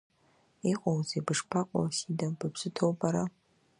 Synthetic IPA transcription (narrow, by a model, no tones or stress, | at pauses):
iqʼawzebɨʂpʰaqʷʼa̰sidabɨbzɨtʰowbʼaɾa